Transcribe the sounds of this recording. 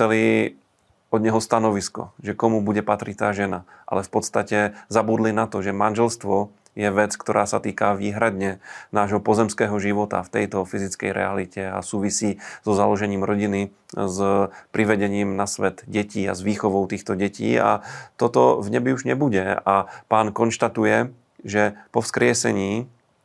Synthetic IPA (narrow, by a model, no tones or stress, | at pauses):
t͡sɛli | ɔd̪ɲɛɦɔst̪anɔʋiskɔ̰ʒɛkɔmubuɟɛpat̪ɾict̪aːʒɛnaʔa̰lɛfpɔt̪st̪acɛzabuːd̪linat̪ɔʒɛmanʒɛlst̪ʋɔ | jɛʋɛt͡skt̪ɔɾʔaːsat̪iːkaʋiːɦɾad̪ɲɛnaːʒɦɔpɔzɛmskɛːɦɔʒiʋɔt̪a̰ft̪ɛjt̪ɔfizit͡skɛ̰jɾʔɛ̰alicɛa̰suːʋisiːz̥ɔzalɔʒɛɲiːmɾɔɟini | zpɾiʋɛɟɛɲiːmnasʋɛt̪ɟɛciːa̰zʋiːxɔʋɔʊt̪iːxt̪ɔɟɛcḭːa̰t̪ɔt̪ɔvɲɛbiuʒɲɛbuɟɛapaːnkɔnʃt̪at̪ujɛ | ʒɛpɔfskɾɪɛsɛ̰ɲiː